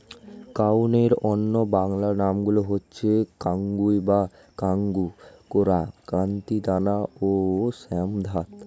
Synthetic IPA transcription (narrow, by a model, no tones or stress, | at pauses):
kawneɾonːobaŋlaɾnamɡuloɦotːɕʰekaŋɡujba | kaŋɡukoɾakant̪id̪anaosɛmd̪ʱat̪